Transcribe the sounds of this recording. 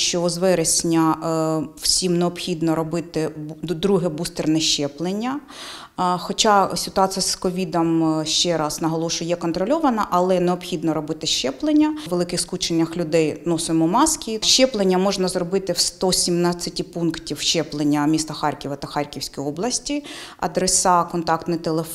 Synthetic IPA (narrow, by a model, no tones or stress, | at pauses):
ʃt͡ʃɔzʋɛɾesʲnʲɐ | w̥sʲimneɔpxʲid̪nɔɾɔbɪt̪ɪd̪ɾuɦɛbust̪ernɛʃt͡ʃɛplˠenʲːɐ | xɔt͡ʃɑsʲɪt̪ʊɑt͡s̪ʲijɐskɔʋʲid̪ɐmʃt͡ʃɛɾɑsnɐɦɔlˠɔʃʊjɛkɔnt̪ɾɔlʲɔʋɐnɐʔɐlˠɛneɔpxʲid̪nɔɾɔbɪt̪ɪʃt͡ʃɛplˠenʲːɐʋelˠɪkɪxskut͡ʃenʲːɐxlʲʊd̪ɛjnusɔjmʊmɑskʲiʃt͡ʃɛplˠenʲːɐmɔʒnɐzrɔbɪt̪ɪwst̪ɔsʲimnat͡sʲːɐtʲipunktʲiwʃt͡ʃɛplˠenʲːɐmʲist̪ɐxɑrʲkʲiʋɐt̪ɐxɑrʲkʲiwsʲkijɔblˠɐsʲtʲiɐ̰d̪ɾesɑkɔnt̪ɑkt̪nɔt̪elˠe